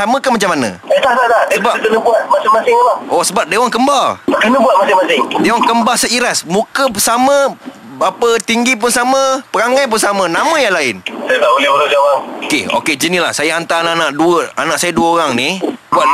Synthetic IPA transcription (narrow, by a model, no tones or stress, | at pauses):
samə̃kanmat͡ʃamːanə̰̃ | ət̪aht̪at̪ahsəbat̪ənəbuat̪̚masɪŋmasɪŋlaosəbap̚dewaŋkəmbaakənəbuat̪̚masɪŋmasɪŋdewaŋkəmbasaʔiɾasmũkəpəsamə̃ | bapət̪iŋɡip̬ʊnsamə̃pəɾaŋajp̬ʊnsamə̃namə̃jaŋlaɪnsajat̪aʔolɪholad͡ʒawapokeo̰ked͡ʒənila̰hsajaɦant̪aananaʔduəanãʔsajaduəoɾaŋnibuat̪